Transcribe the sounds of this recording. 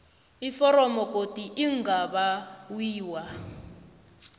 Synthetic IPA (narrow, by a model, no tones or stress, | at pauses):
ifɔɾɔmɔkʼotiʔiŋɡaβawiːwa